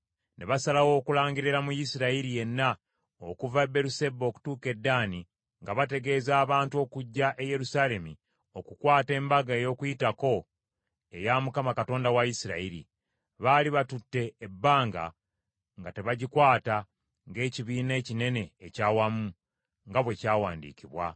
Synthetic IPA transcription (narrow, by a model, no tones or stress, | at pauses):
ne̞βasalawo̞ːkulaːɲɡiɾiɾamujisiɾaiɾije̞nːa | okuvabe̞ɾuse̞bo̞ːku̥tuːke̞dːaːni | ŋɡaβate̞ɡe̞ːzaːβaːntuo̞ːkuɟːaʔe̞je̞ɾusaːle̞mi | o̞kukwaːte̞ːmbaɡaejo̞ːkujitako̞ | e̞jamukamakato̞ːndawajisiɾa̰iɾḭ | βaliβatutːe̞ːbːaːŋɡa̰ | ŋɡate̞βaɟikwaːta | ŋɡe̞ːciβiːne̞ːcine̞ne̞ːcaːwamu | ŋɡaβwe̞caːwaːndḭːkiβwa̰